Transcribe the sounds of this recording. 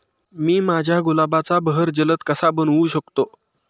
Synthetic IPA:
miːmad͡ʑʱjaɡulabat͡sabəɦəɾd͡ʑələt̪kəsabənuɕəkt̪o

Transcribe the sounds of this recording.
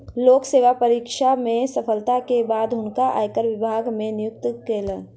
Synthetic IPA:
loːkseːwapəɾiːkʃamẽsəpʰəlt̪akebaːd̪ɦʊnkaʔa̰ːjkəɾʋɪbʱaːɡmẽnɪjʊk̚t̪keːlə̃

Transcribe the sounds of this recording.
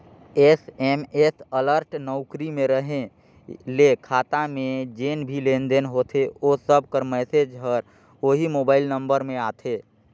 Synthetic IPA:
esemesələɾʈnɔʊkɾimẽɾəɦẽ | lekʰaːt̪amẽd͡ʒeːnbʱilẽːnd̪enɦot̪ʰeosəb̚kəɾmɛːsed͡ʒɦəɾ | oɦimoːbaːɪlnə̃mbəɾmẽaːt̪ʰeː

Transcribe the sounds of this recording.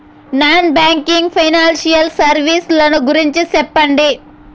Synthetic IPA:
naːnbaːŋkiŋɡpʰɐjnaːnsijɐlsɐɾʋiːslɐnuɡuɾiɲt͡ʃisɛpːɐɳɖi

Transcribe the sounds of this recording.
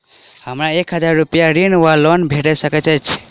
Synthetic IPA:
həmɾaekɦəd͡ʒaɾːupjaɾinwalonbʱeʈəjsəkɛt͡ʃət͡ʃʰ

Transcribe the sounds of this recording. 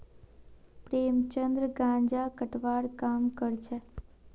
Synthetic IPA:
pɾemt͡ʃənd̪ɾəɡãɲd͡ʒakəʈʰʋaɽkamkəɾt͡ʃʰe

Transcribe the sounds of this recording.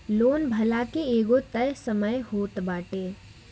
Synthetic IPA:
loːnbʱɐlakeeːɡot̪əɾsɐməjhoːt̪baːʈeː

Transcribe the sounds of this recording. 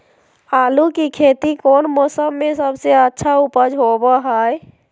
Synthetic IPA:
aːlukikʰeːt̪ikoːnmɔːsəmːesəbseətːʃʰaupəd͡ʒɦobəɦəj

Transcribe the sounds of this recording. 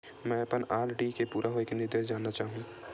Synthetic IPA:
mɛ̃ːɐpənaːɾɖikepuːɾʔaɦoekenɪɾd̪eːʃd͡ʒaːnːat͡ʃaːɦũːɡ

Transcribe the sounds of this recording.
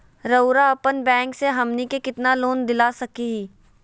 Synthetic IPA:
ɾəʊɾaɐpənbɛ̃ːŋkseɦɐmnikekɪt̪naloːnd̪ɪlasɐkiɦiː

